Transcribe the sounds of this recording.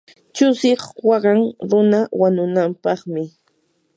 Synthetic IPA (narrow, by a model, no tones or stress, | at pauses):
t͡ʃʊsɪχwɑɢɑŋɾʊnawaɲʊnampɑχmɪ